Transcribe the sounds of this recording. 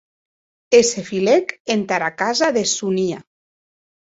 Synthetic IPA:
esefilekent̪aɾakazaðesunia

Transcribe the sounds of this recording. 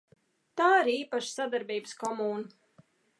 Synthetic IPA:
t̪aːiɾiːpaʃsad̪aɾbiːbɨskɔmuːn

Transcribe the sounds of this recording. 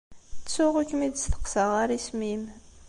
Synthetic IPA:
t͡sːʊʁukːmid̪sθə̥qsəʁaɾismim

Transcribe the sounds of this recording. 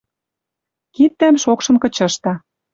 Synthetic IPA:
kit̪̚ːæmʃokʃɤ̆nkɤ̆t͡ɕɤ̆ʃt̪ɑ

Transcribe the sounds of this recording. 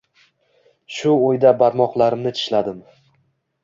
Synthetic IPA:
ʃʊojd̪abaɾmɒqlˠaɾɪmnɪt͡ʃʰɪ̥ʃlad̪ɪm

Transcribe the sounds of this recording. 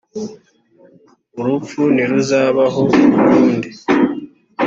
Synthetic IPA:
uɾup͡funiɾuzaːβaɦo̞uɾuːndi

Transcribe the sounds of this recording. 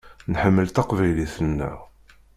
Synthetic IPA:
nħəmːəlt̪ɑqvæjliθənːæ̰

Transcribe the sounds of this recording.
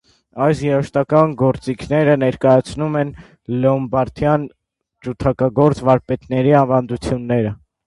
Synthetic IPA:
ɑjsjɛɾɔʃt̪ɑkɑnɡɔɾt͡sikʰnɛɾənɛɾkɑjɑt͡sʰnumɛn | lɛɔmbɑɾt̪ʰjɑn | t͡ʃut̪ʰɑkɑɡɔɾt͡svɑɾpɛt̪nɛɾiɑnvɑnd̪ut͡sʰjunːɛɾə

